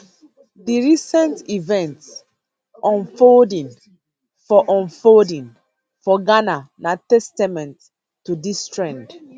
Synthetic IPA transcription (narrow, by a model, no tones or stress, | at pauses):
diɹisɛ̃ntivɛ̃nts | ɔ̃nfoldĩn | fɔʔɔ̃nfodĩn | fɔɡananatɛstamɛ̃nt | tːudistɹɛ̃nd